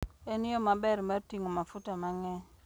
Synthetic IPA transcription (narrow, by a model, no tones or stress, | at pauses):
ɛnijɔmabɛɾmaɾtiŋɔmafutamaŋɛ